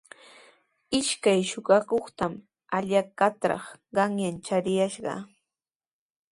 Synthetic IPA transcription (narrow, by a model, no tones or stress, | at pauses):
ɪʃkajʃʊɢɑkoχt̪am | aʎakat̪ɾɑ̰χɢɑŋjant͡ʃaɾɪjaʃɢɑ̰